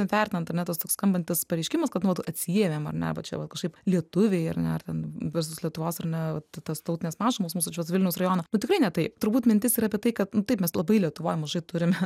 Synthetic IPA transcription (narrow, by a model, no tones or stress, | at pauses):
ɛnʋʲæːɾʲt̪ʲɪnɐnt̪ɐɾnʲɛt̪ɐst̪oːkskɐmbɐnʲt̪ʲɪspɐɾʲɛɪʃʲkʲɪmɐskɐt̪nʊʋɐt̪ɐt̪ʲsʲieɛmʲeːmɐ̰rnʲɛ̰ɐ̰bɐt͡ʃʲɛ̰ʋɐt̪kɐʃkɐɪplʲiɛt̪ʊʋʲeɪɐrnʲɛɐrt̪ʲɛnʋʲɪs̬oslʲiɛt̪ʊʋoːsɐrnʲɛʋɐt̪t̪ɐst̪ɐʊtʲɪnʲeːsmɑːʒɪmoːsmuːsʊt͡ʃʲɛʋɐt̪ʋʲɪlʲnʲɛʊsrɐjoːnɐnʊt̪ʲɪkɾɐɪnʲɛt̪ɐɪpt̪ʊɾbuːt̪mʲɪnʲt̪ʲɪsiːɾɐːpʲiɛt̪ɐɪkɐt̪nʊt̪ɐɪpmʲɛslˠɐbɐɪlʲiɛt̪ʊʋoːjmɐʒɐɪt̪ʊɾʲɪmʲ